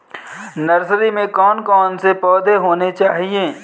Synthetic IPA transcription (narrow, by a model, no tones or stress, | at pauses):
nɐɾsɾimẽkɔːnkɔːnsepɔːd̪ʱeɦoːnet͡ʃaːɦieː